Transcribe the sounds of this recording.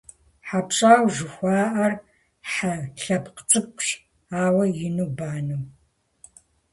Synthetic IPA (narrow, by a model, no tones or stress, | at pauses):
ħapʈ͡ʂʼaːwʒɨxʷaːʔɐr | ħaɬɐpqt͡ʃʼɨp̚ɕ | aːwɐjɪnubaːnuw